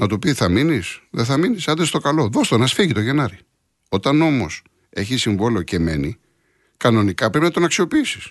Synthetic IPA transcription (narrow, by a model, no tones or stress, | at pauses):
nɐt̪upiθɐminisðeθɐminisɐnd̪est̪okɐlo̞ðost̪onɐsfiʝit̪o̞ʝe̞nɐɾi | o̞t̪ɐno̞mo̞s | e̞çisiɱvo̞leo̞ce̞me̞ni | kɐno̞nikɐpɾepinɐt̪o̞nɐksio̞piisi̥s